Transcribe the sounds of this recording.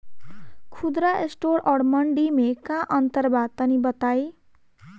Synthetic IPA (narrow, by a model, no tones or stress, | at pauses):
kʰud̪ɾʌesʈoɾʌɽmʌɳɖimekãʔʌnt̪ʌrbad̪̚tʌnibʌt̪aj